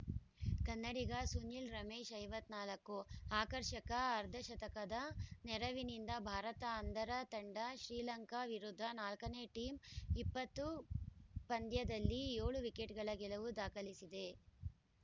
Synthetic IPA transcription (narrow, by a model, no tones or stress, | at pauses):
kɐnːɐɽiɡɐsunːilɾɐmeːʃɐjʋɐt̪ːnaːlɐkːuaːkɐɾʃɐkɐːɾd̪ʱɐʃɐt̪ɐkɐd̪ɐnɛɾɐʋinind̪ɐbʱaːɾɐt̪ɐːnd̪ʱɐɾɐt̪ɐɳɖɐʃɾiːlɐŋkaʋiɾud̪ʱːɐnaːlkɐneʈiːmipːɐt̪ːu | pɐnd̪jɐd̪ɐlːijeːɭuʋikeʈɡɐɭɐɡɛlɐʋud̪aːkɐlisid̪e